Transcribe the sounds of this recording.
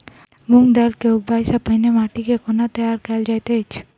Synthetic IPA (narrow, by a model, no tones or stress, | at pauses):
muŋɡd̪ɛlkeuɡ̚bajsapəjnemaʈikekonat̪ɛjaɾkɛld͡ʒajt̪et͡ʃʰ